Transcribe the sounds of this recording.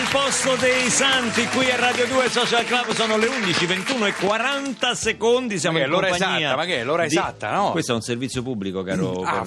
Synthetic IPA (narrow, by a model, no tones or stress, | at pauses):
lpɔst̪od̪ejsant̪ikwiarːaːd̪jod̪uːesɔt͡ʃalklabːsɔːnoleund̪it͡ʃivent̪uːnoekːwaɾant̪asekond̪is̬jamõloɾampaɲzaɲiːamakelːoːɾaed̪at̪ːa̰nɔwest̪ɛunservit̪sjopubːlikoka̰ːɾo̰ka